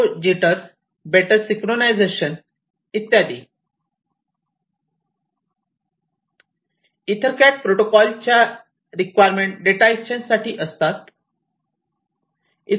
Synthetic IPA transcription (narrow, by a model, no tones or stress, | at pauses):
d͡ʑiʈəɾs | beʈəɾsikɾonajd͡zeɕən | it̪ːjad̪i | it̪ʰəɾkaʈ̚pɾoʈokɔlt͡ɕja | ɾikʋajɾmẽɳʈ̚ɖeʈait͡ɕənsaʈiːʔəst̪at̪ | i